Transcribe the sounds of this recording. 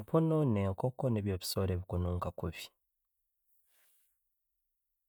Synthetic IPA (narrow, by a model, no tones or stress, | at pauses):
pʰononeːŋkokːoneːβjoβi̥soːɾeːβikonoŋkakofi̥